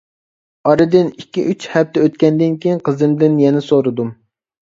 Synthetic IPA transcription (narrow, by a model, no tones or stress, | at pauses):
ɑɾɨd̪ɪnikʲːḭʔyt͡ʃhɛp̚t̪ʰɛøt̪̚kʲɛnd̪ɪnkʲʰijiŋqʰəzɨnd̪ɪnjɛnɪsoɾɨd̪u